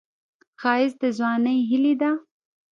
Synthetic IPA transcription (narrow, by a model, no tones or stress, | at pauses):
xɑɪzd̪əzwɑnəjɦɪlid̪a